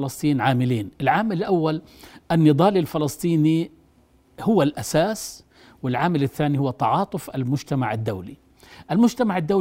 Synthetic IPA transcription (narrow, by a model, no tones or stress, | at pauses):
lɑsˤt̪ˤiːnʕaːmɪliːnʔɪlʕaːmɪlɪlʔawːal | ʔanːɨd̪ˤɑːlilfɪlɑsˤt̪ˤiːni | hʊwːalʔasaːs | wɪlʕaːmɪlɪθːaːnihʊwːat̪ɑʕɑːt̪ˤʊfalmʊd͡ʒt̪amaʕɪd̪ːawli | ʔalmʊd͡ʒt̪amaʕɪd̪ːaw